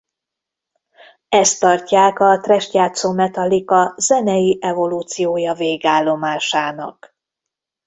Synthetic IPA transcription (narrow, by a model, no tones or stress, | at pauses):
ɛst̪ːɒrcaːkɒt̪rɛʃtjaːt̪soːmɛt̪ɒlikɒzɛnɛjiʔɛvo̞luːt̪sijoːjɒveːɡaːlːo̞maːʃaːnɒ̰k